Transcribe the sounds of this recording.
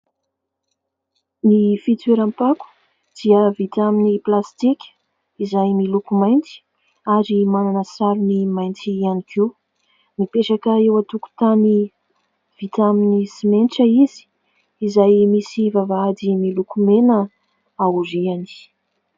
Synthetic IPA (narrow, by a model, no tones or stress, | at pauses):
nifit͡s̪eɾampaku̥ | d̪̥iəvit̪aminiplast̪ikʲə̥ | izajmilukumajnt͡si̥ | aɾimananəsaɾunimajnt͡sianikʰi | mipeʂakaewat̪uku̥t̪ani | v̥it̪aminisimenʈ͡ʂəizi̥ː | zajmisivavaad̪imilukumenə | auɾiani̥